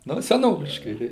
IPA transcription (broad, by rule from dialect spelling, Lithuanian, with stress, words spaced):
ˈnʊ sʲɛˈnoːʋʲɪʃkɐɪ tɐɪ